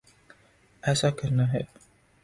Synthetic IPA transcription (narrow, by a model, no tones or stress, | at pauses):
ɛːsakəɾnaɦɛ